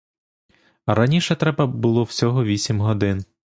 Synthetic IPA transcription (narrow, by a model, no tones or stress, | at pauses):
ɾɐnʲiʃɛt̪ɾɛbɐbʊlˠɔw̥sʲɔɦɔʋʲisʲimɦɔd̪ɪn